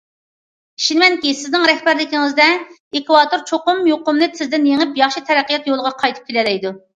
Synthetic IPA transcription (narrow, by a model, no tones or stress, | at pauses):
iʃinɪmɛnkʲisɪznɪŋɾɛhbæɾlɪkʲiŋɪzd̪ɛ | ekwɑːt̪oɾt͡ʃʰoqʊmjoqʊmnɨsʰɪzd̪ɪnjeŋɪpjɑχʃit̪ʰɛɾɛqːijɑt̪jolˠʁɑqʰɑjt̪ʰɨ̥p̚kʲʰelɛlɛjd̪u